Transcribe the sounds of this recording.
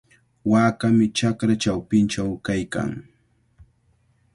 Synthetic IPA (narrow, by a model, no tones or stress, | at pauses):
waːkamɪt͡ʃakɾat͡ʃawpɪnt͡ʃawkajka̰ŋ